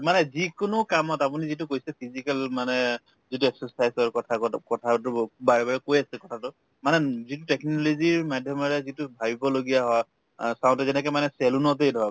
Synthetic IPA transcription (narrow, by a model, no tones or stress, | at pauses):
manɛzikʊnʊkamɔtapunizitukojsɛpʰizikalmanɛ | zituɛksɔsajzɔɹkɔtʰakɔtʰatʊbaɹɛbaɹɛkojasɛkɔtʰatʊ | manɛzitutɛknɔloziɹmadʱjɔmɔɹɛzitʊbʱabibɔloɡijaɦɔj | saw̃ntɛzɛnɛk̬ɔmanɛsɛlunɔt̬ejdʱɔɹa